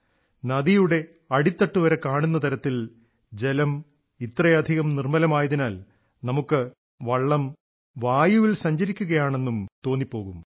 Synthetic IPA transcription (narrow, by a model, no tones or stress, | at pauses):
nɐd̪ijuɽe̞ | ɐɽit̪ːɐʈːuʋɐɾɐkaːɳunːɐt̪ʰɐɾɐt̪ːil | d͡ʑe̞lɐm | it̪ːrɐjɐd̪ʱiɣɐmnirmɐlɐmaːjɐðinaːl | nɐmukːɨ | ʋɐɭːɐm | ʋaːjuʋilsɐɲd͡ʑɐɾikʲːuɣɐjaːɳe̞nːumt̪o̞ːnːipːo̞ːɣum